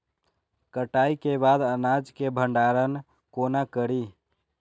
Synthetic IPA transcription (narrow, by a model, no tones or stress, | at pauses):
kəʈaikebad̪ənad͡ʒkebʱəɳɖaɾən | konakəɾi